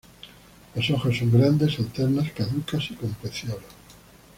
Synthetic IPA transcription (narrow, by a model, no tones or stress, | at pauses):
losoxosːoŋɡɾand̪e̞salt̪eɾnaskaðukasikompɾeθjolo